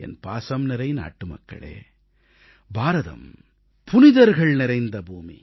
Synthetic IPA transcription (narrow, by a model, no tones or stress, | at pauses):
ɛ̰npaːsɐmnɪɾɐjna̰ːʈːɯmɐ̰kːɐ̰ɭḛː | bʱaːɾɐðɐ̰m | pʊnɪðɐɾɣɐɭnɪɾɐɪnd̪ɐbuːmḭ